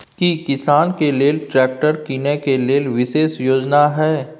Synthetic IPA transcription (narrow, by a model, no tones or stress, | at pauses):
kikɪsaːnkeleːlʈɾɛːk̚ʈəɾkiːnekeleːlʋɪʃeːʃjoːd͡ʒnaɦɛː